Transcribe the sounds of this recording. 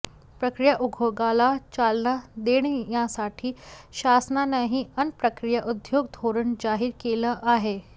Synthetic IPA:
pɾəkɾijaʔuɡʱoɡalat͡ɕalnad̪eɽ̃jãsaʈʰiːɕasnanəɦiənpɾəkɾijaʔud̪joɡ̚d̪ʱoɾəɳd͡ʑaɦiːɾkeləʔaɦe

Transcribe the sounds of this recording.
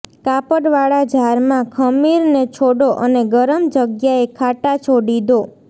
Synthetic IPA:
kapəɽʋaɭad͡ʒʱaɾmãkʰəmiɾnet͡ʃʰoɽoʔəneɡəɾəmd͡ʒəɡjaekʰaʈat͡ʃʰoɽid̪o

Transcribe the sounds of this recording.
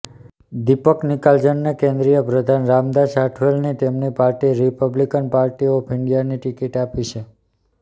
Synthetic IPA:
d̪ipəknikald͡ʒənːekẽnd̪ɾijəpɾəd̪ʱanɾamd̪aʃaʈʰʋelnet̪emnipaɾʈiɾipəblikənpaɾʈiopʰɪɳɖijaniʈikiʈapit͡ʃʰe

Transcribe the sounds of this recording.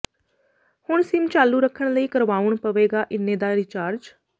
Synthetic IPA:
hʊɳsɪmt͡ʃaːlːuːɾəkʰːəɳləiːkəɾʋaːʊɳpəʋeːɡaːʔɪnːẽːd̪aːɾɪt͡ʃaːɾd͡ʒ

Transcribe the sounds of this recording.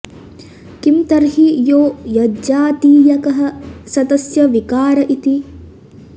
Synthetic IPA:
kimt̪ɐɾɦijoːjɐd͡ʒaːt̪iːjɐkɐɦɐsɐd̪ɐsjɐʋikaːɾɐʔit̪i

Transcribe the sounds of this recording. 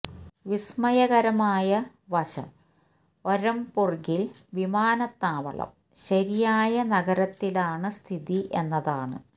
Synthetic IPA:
ʋismɐjɐɣɐɾɐmaːjɐ | ʋɐɕɐ̰m | oɾɐmpurɡil | ʋimaːnɐt̪ːaːʋɐ̰ɭɐ̰m | ɕɐɾijaːjɐnɐɣɐɾɐt̪ːilaːɳɨst̪ʰiðiʔenːɐðaːɳɨ̰

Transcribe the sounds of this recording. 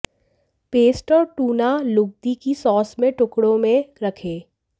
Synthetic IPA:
peːsʈɔɾʈuːnalʊɡ̚d̪ikisɔːsmẽʈʊkɽõmẽɾɐkʰeː

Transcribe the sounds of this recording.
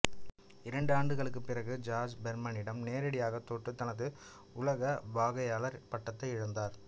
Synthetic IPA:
ɪɾɐɳɖaːɳɖɯɣɐɭɯkːɯpːɪrɐɣɯd͡ʒaːd͡ʒbɛɾmɐnɪɽɐmneːɾɐɽɪjaːɣɐt̪ːoːʈːɯt̪ːɐnɐðɯ | ʊlɐɣɐbaːɣɐjaːlɐɾpɐʈːɐt̪ːɐɪɪɻɐnd̪aːɾ

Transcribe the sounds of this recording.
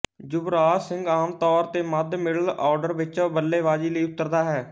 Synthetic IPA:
d͡ʒʊbɾaːsɪŋɡaːmt̪ɔːɾt̪eːməd̪mɪɽəlɔːɾɖəɾʋɪt͡ʃbəlːeːʋaːd͡ʒiːləiːʊt̪ːəɾd̪aːɦɛː

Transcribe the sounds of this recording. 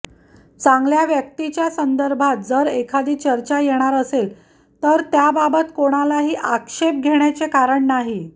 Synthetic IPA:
t͡saŋɡljaʋjək̚t̪it͡ɕjasənd̪əɾbʱat̪̚d͡zəɾekʰad̪iːt͡ɕəɾt͡ɕajeɽ̃aɾəsel | t̪əɾt̪jababət̪koɽ̃alaɦiːʔakʂep̚ɡʱeɽjat͡sekaɾəɳnaɦi

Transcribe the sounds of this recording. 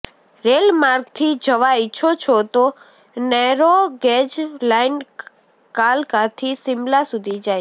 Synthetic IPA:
ɾelmaɾɡt̪ʰid͡ʒəʋaɪt͡ʃʰot͡ʃʰot̪o | nɛɾoɡɛd͡ʒlain | kalkat̪ʰisɪmlasud̪ʱid͡ʒaj

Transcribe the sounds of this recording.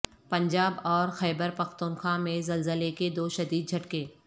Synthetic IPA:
pɐ̃ɲd͡ʒaːbɔːɾxɛːbəɾpɐxt̪unxaːmẽzɐlzəleked̪oːʃɐd̪iːd̪̚d͡ʒʱɐʈkẽː

